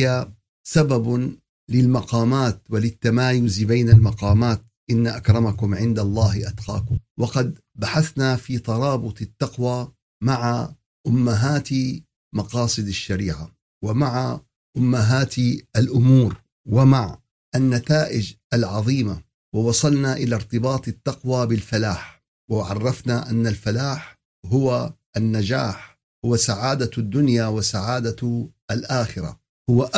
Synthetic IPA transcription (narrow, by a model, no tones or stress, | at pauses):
a | sabab | lɪlmɑqɑːmaːt̪wɪlɪt̪ːamaːjʊzbejnalmɑqɑːmaːt̪̚ | ʔɪnːaʔakɾˤɑmakʊmʕɪnd̪alˤːɑːhʔad̪qɑ̰ːkʊmwɑqɑd̪̚ | baħaθnafiːt̪ˤɑɾˤɑːbʊt̪ˤɪt̪ːɑqwaː | maʕa | ʔʊmːaɦaːt̪ | mɑqɑːsˤɨd̪aʃːaɾiːʕa | wɪmaʕa | ʔʊmːaɦaːt̪ʔalʔʊmuːɾ | wɪmaʕ | ʔanːat̪aːʔɪd͡ʒʔalʕɑðˤiːma | wɪwɑsˤɑlnaʔɪlaɾt̪ɨbɑːt̪ˤɪt̪ːɑqwaːbɪlfalaːħ | wɪʕɑrˤːɑfnaʔanːalfalaːħ | ɦʊwaʔanːad͡ʒaːħ | hʊwasaʕaːd̪ad̪ːʊnjawasaʕaːd̪aʔalʔaːxɪɾa̰ | hʊwaʔ